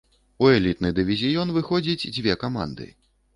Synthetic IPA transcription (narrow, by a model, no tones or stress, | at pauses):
uɛlʲit̪nɨd̪ɨvʲizʲijɔnvɨxɔd͡zʲit͡sʲd͡zʲvʲɛkama̰nd̪ɨ̰